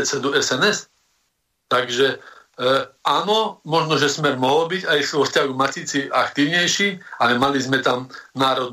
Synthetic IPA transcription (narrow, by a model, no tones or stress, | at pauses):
t͡sɛd̪uɛsɛnɛs | t̪aɡʒɛ | ʔanɔmɔʒnɔʒɛsmɛɾmɔɦɔlbiɟajsʋɔfscaɦuɣmacit͡siakt̪iːʊɲɛjʃialɛmalizmɛt̪amnaːɾɔd̪̚